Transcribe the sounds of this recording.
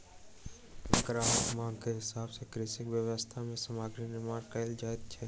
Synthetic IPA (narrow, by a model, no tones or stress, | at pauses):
ɐkɾaːɦk̪mãːɡkeɦɪsaːbsekɾɪːsɪkʋjəʋəst̪ʰamẽsəmaːɡɾinɪmaːɾkəɪld͡ʒaːɪd̪̚t͡ʃʰɛː